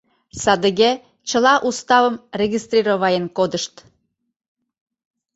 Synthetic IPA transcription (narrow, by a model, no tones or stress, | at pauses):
sɑd̪əɣe | t͡ɕəlɑʔust̪ɑvəmrʲeɣʲist̪rʲiɾoβɑjenkod̪əʃt̪